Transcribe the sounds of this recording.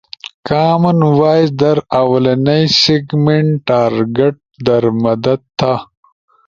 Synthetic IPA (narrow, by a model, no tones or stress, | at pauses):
kaːmɐnwaːjzd̪ɐɾawɐlɐnɐjsiɡmeɳʈʈaːɾɡeʈ̚d̪ɐɾmɐd̪ɐd̪̚t̪ʰːa